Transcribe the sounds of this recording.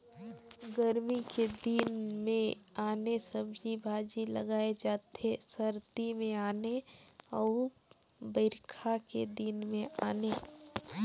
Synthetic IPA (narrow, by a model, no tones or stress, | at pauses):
ɡəɾmiked̪inmẽaːnesəbd͡ʒibʱaːd͡ʒilɐ̰ɡaːed͡ʒaːt̪esɐɾt̪imẽaːneɔ | bəɪɾkʰakḛd̪ɪnmẽaːneː